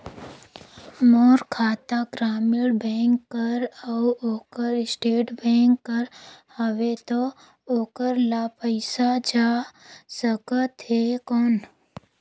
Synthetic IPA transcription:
moːɾkʰaːt̪akɾaːmɪɽbɛ̃ːŋkːəɾəwoːkəɾɪsʈeːʈbɛ̃ːŋkːəɾhəʋet̪o | oːkəɾlaːpəɪsad͡ʒaːsəkət̪ekɔːn

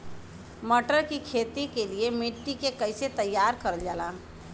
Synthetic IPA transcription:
məʈəɾkikʰeːt̪ikeliemɪʈːikekəɪset̪əjːaːɾkəɾəld͡ʒaːlaː

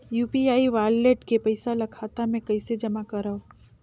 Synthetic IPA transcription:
juːpiaːiʋaːleʈkepɐɪsalɐkʰaːt̪amẽkɐɪsed͡ʒɐmakɐɾao

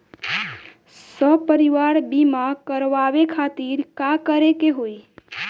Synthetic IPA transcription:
səpəɾiʋaɾbimãkəɾʋaʋekʰat̪iɾkakəɾekeɦoi

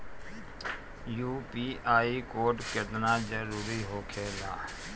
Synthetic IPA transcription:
juːpiːʔaːikoːʈkɪt̪nad͡ʒəɾuːɾiɦoːkʰeːlaː

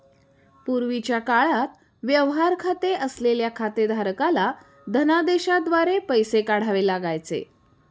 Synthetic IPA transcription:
puɾʋit͡ɕjakaɭat̪ | ʋjəʋɦaɾkʰat̪eʔəsleljakʰat̪ed̪ʱaɾkala | d̪ʱənad̪eɕad̪ʋaɾepəjsekaɽ̤aʋelaɡajt͡sḛ

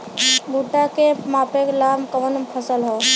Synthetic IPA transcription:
bʱuʈːakemapeklamkəʋənpʰəsəlɦɔ

